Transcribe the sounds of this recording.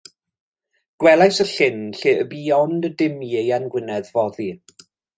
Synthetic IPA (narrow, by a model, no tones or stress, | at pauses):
ɡ̥wɛlˠajsəɬɪnɬeːəbiːɔndədɪmiejanɡwɪnɛðvɔði